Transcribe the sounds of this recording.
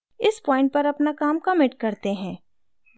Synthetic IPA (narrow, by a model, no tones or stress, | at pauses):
ɪspɔːɪ̃ɳʈ̚pɐɾɐpnakaːmkamɪʈ̚kɐɾt̪eɦɛ̃ː